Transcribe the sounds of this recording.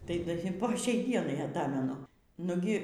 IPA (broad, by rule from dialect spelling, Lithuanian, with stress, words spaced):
tɐɪ ˈdɐ ɪ poː ˈʃʲɛɪ ˈdʲiɛnɐɪ ˈɑːtɐmʲɛnʊ ˈnʊɡʲɪ